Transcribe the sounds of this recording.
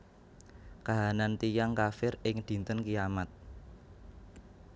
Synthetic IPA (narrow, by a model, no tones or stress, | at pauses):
kaɦanant̪ijaŋkafɪrɪŋd̪̥i̤nt̪ənkijamat̪̚